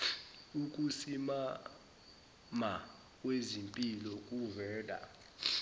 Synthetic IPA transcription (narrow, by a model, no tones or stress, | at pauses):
uk̬ʼusima | ma | k̬ʼwezimpʼilɔkʼuvɛːdʱa̰